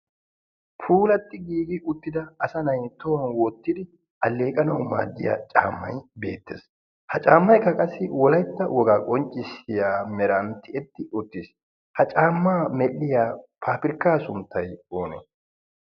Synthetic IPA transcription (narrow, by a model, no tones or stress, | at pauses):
pʰuːlɐt̪ːɪɡiːɡɪʔʊt̪ːɪd̪ɐːsɐnɐjt̪owɐnwɔt̪ːɪd̪ɪ | ʔɐlːe̞ːkʼɐnɐwma̰ːd͡ʒːɪ̰ja̰t͡ʃʼa̰ːmːɐ̰jbe̞̰ːt̪ːḛs | hɐt͡ʃʼaːmːɐjkːɐkʼɐsːɪwɔlɐjt̪ːɐwɔɡaːkʼɔnt͡ʃʼːɪsɪjaːmɛɾɐnt̪ːɪɛt̪ːɪʔʊt̪ːɪs | hɐt͡ʃʼaːmːaːmɛlːɪjaːpʰaːpɪɾkːaːsʊnt̪ːɐjo̞ːnɛ̰